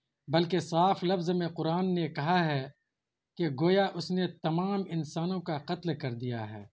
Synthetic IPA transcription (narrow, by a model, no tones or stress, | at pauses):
bɐlkesaːflɐfzmẽqʊɾaːnːekɐɦaɦɛ | keɡoːjaʔʊsnet̪ɐmaːmɪnsaːnõkaqɐt̪lkɐɾd̪ija̰ɦɛ̰ː